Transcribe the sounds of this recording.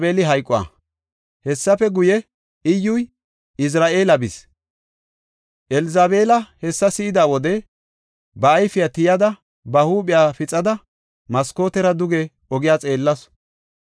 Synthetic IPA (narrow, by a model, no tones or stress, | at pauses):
be̞ːlɪɦɐjkʼːɔa̰ | hɛsːɐfɛɡʊjɛ | ɪjːʊj | ʔɪs̬ɾaːʔe̞ːlɐbɪs | ʔɛlɪzaːbe̞ːlɐhɛsːɐsɪɪd̪aːwɔd̪ɛ | bɐːjfɪjaːt̪ɪjɐd̪ɐ | bɐhuːɓɪjaːfɪt͡sʼɐd̪ɐ | mɐskoːt̪ɛɾɐd̪ʊɡɛ | ɔɡɪjaːt͡sʼe̞ːlːɐs